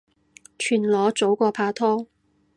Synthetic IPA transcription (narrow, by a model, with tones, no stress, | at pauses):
t͡ʃʰyː˨˩nlɔː˨˧t͡so˨˥wkɔː˧pʰaː˧t̪ʰɔː˥